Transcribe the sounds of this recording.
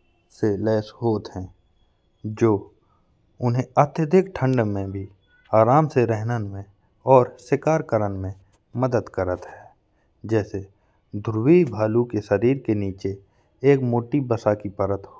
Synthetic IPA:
selɛːsɦoːt̪ɦɛ̃ː | d͡ʒoː | ʊnɦẽət̪jəd̪ʱɪkʈʰə̃ɳɖmẽbʱi | aːɾaːmseɾɛɦnənmẽ | ɔːɾsɪkaːɾkəɾənmẽ | məd̪əd̪kəɾət̪ɦɛː | d͡ʒɛːse | d̪ʱʊɾwibʱaːlukeʃəɾiːɾkeniːt͡ʃeː | kmoːʈibəsakipəɾət̪ɦo

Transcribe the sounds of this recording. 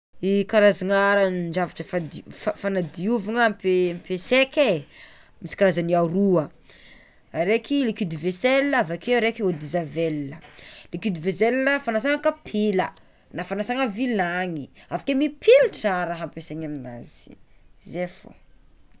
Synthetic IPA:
ikaɾazaŋaɾanɳd͡ʒavaʈ͡ʂəfad̪ffanad̪iuvaŋəmpempesekʲe | misi̥kaɾazaniaɾuə | aɾekilikid̪iveselːavakeɾekiod̪izavelnəlikid̪ivezelnəfanas̬aŋəkapʰilə | nafanasaŋəvilaŋiavakemipʰilʈ͡ʂaɾaɦampeseŋamina̰z̥i̥zefo̰

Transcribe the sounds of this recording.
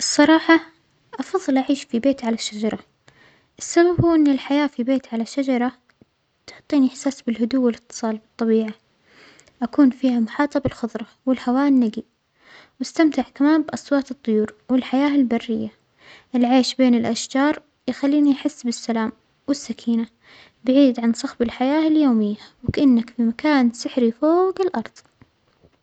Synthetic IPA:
ʔɨsˤːɑɾˤɑːħɑ | ʔɑfɑðˤːɨlʔaʕiːʃfibeːt̪ʕalaʃːad͡ʒɑɾˤɑ | ʔɪsːababhuːʔɪnːɪlħajaːfibeːt̪ʕalaʃːad͡ʒɑɾˤɑ | t̪ʊʕt̪ˤːiːniʔɪħsaːsbɪlhʊd̪uːɪlɪt̪ːɨ̥sˤɑːlbɨt̪ˤːɑbiːʕa | ʔakuːnfiːhamʊħɑːt̪ˤɑbɪlxʊðˤɾˤɑwɪlhawaːʔɪnːaɡi | wɪst̪amt̪ɪʕkamaːmbʔɑsˤwɑːt̪ɨt̪ˤːʊjuːɾwɪlħajaːɪlbarːɪjːa | ʔɪlʕeːʃbeːnɪlʔaʃd͡ʒɑːɾˤ | jɪxalːiːniʔaħɪsːbɪsːalaːm | wɪsːakʰiːna | baʕiːd̪ʕansˤɑxbɪlħajaːɪljoːmɪjːawɪkaʔɪnːakfimakaːnsɪħɾifoːɡɪlʔɑɾˤðˤ

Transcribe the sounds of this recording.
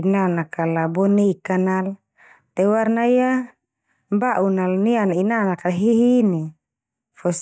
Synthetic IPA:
inanakalabɔnikanal | t̪ɛwarnaija | baʔunalnianinanakaɦiɦini | fɔs

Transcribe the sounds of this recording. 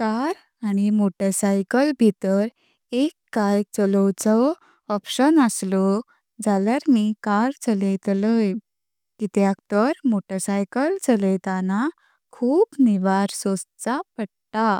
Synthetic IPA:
kaɾ | añimoʈəsajkəlbʱit̪əɾ | ekːajt͡səlɔwt͡sɔ | ɔpɕənəslɔ | d͡zaljaɾmikaɾt͡sələjt̪ləj | kit̪jakt̪əɾmoʈəsajkəlt͡sələjt̪ana | kʰuːpniʋaɾsost͡sapəɽt̪a

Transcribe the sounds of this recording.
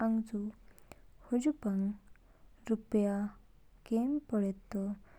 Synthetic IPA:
aŋd͡zu | hud͡ʑupaŋ | ɾupja | kenpəɽet̪ːɔ

